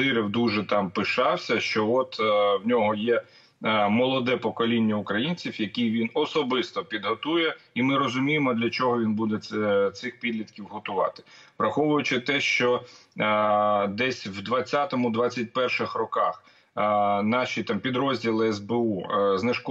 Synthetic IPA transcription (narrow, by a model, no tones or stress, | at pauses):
ɪɾɪwd̪uʒɛt̪ɑmpɪʃɑwsʲɐʃt͡ʃɔɔt̪wnʲɔɦɔjɛ | mɔlˠɔd̪ɛpɔkɔlʲinʲːɐʊkɾɐjinʲt͡sʲiwjɐkʲijʋʲinɔsɔbɪst̪ɔpʲid̪ɦɔt̪ujɛimɪɾɔzʊmʲijemɔd̪lʲɐt͡ʃɔɦɔʋʲinbud̪ɛɛt̪sɪxpʲid̪ʲlʲit̪kʲiwɦɔt̪ʊʋɑ̰t̪ɪ̥ʋɾɐxɔʋʊjʊt͡ʃɪt̪ɛʃt͡ʃɔ | d̪ɛsʲwd̪ʋɐt͡sʲːat̪ɔmʊd̪ʋɑt͡sʲːɐt̚ʲpɛrʃɪxrɔkɑ̰x | nɑʃʲit̪ɑmpʲid̪ɾɔzʲdʲilˠɪɛzbeuznɪʃk